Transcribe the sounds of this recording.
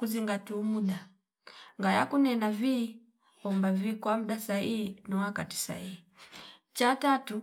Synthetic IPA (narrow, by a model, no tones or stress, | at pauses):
kuziŋɡatumuɗa | ŋɡajakunɛnavi | ɔmbavikwam̩ɗasaiinɔwakati̥sa̰ii | t͡ʃatatu